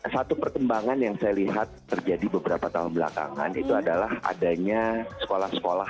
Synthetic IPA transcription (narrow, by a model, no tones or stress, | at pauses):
sat̪upərkəmbaŋanjaŋsajaliɦat̪ːərd͡ʒadibəbəɾapat̪aɦʊnbəla̰ka̰ŋa̰nḭt̪uadalaha̰daɲasə̥kolahsə̥kolah